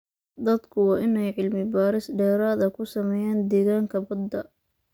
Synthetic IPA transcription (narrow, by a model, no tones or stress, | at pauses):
d̪ɐd̪kʰʊwɑːɪnɛjʕɪlmɪbaːɾɪsɖɛːɾaːðɐkʰʊsɐmɛːjaːnd̪ɛːɣaːŋkʰɐbɐd̪ːɐ